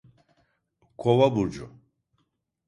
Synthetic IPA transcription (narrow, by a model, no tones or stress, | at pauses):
kʰɔvabuɾd͡ʒɔ